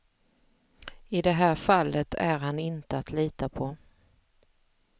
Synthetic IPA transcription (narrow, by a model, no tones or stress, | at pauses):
ɪd̪ɛɦæːɾfalːət̪ʰæɾhanɪnt̪əat̪liːt̪apʰɔ